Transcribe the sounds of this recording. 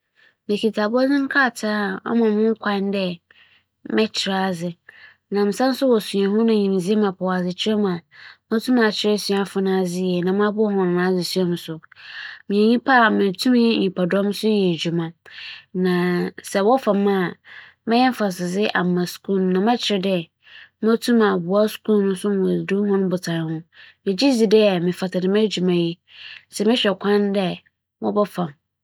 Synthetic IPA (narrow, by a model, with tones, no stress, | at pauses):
mɪ̃˨kʰi˨tʰa˨bɔ˦d͡zɪ̃˦ŋ̩˦kʰaː˦˨tʰa˦ɔ̰˦mã˨mʊ̃˦ŋ˦kʷʰã˦n˦dɛ˦ | mɛ̃˦t͡ɕʰɪ˨ɾa˦˨zɪ˨ | nã˨m̩˨sã˦n̩˦sʊ˦wɔ˨su˨ã˨ɦʊ̃˦nã˨ɲĩ˨m˨d͡zi˦e˦mã˨pʰʊ˨wa˨d͡zɪ˨t͡ɕʰɪ˦ɾɛ˦mã˨mã˦tʰũ˦mã˨t͡ɕʰɪ˦ɾɛ˦sĩ˨a˨fʊ˦nã˦˨d͡zɪ˦jɛ˨nã˨m˦ã˦bʊ˦ɔ˦hɔ̃˨ñ˨nã˦d͡zɪ˨su˦a˦m˨sʊ˨mĩ˨e˨ɲĩ˦pʰa˦˨mɪ̃˨tʰũ˦m˦jɛ˦ɲĩ˨pʰa˨dɔ̃˦m˦sʊ˦jɛ˨d͡ʑᶣu˨mã˨nã˨sɛ˨wɔ˦fã˨mã˦˨ | mɪ̃˦jɛ˦m˦fa˨sɪ˨d͡zɪ˦ʔa̰ː˨ã˨su̥˨kʰũ˦ñ˨nã˨mɛ̃˦t͡ɕʰɪ˦ɾɪ˦dɛ˦ | mã˦tʰũ˦mã˨bʊ˨a˦skũ˦nʊ̃˦sʊ˦m˨wɔ˨du˦hɔ̃˦nʊ̃˦bʊ˨tʰa˨hʊ̃˦mɪ̃˨d͡ʑi˦d͡zi˨dɛ˦˨mɪ̃˨fa˨tʰa˨dɪ˨m˦æ˦d͡ʑu˨mã˨ji˦ | sɛ˨mɪ̃˦ɕᶣɛ˨kʷʰã˦ndɛ˦ | wɔ˦bɔ˦fã˨m